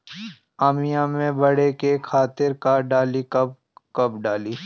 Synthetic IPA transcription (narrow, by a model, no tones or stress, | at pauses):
aːmijãmẽbɐɽekekʰaːt̪ɪɾkaɖaːlikɐb̚ | kɐbɖaːliː